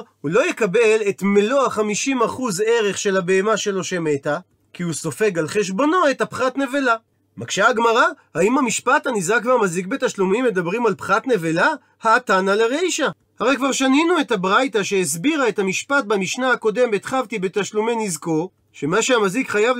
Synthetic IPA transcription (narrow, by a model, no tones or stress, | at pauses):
hulo̞jekabe̞le̞t̪me̞lo̞aχamiʃimaχuze̞ʁe̞χʃe̞labe̞emaʃe̞lo̞ʃe̞me̞ta | kiuso̞fe̞ɡalχe̞ʃ̬bo̞no̞e̞thapχatne̞ve̞la | makʃeaɡmaʁahaimamiʃpat̪anizakveamazik̚be̞taʃlumimːe̞d̪abʁimalpχatne̞vela | haːtanaleʁejʃa | haʁejkvaʁʃaninue̞thabʁajtaʃees̬biʁaethamiʃpat̚bamiʃnaako̞de̞mbet̪χavt̪ibe̞t̪aʃlumenizko̞ | ʃe̞maʃeamazikχajav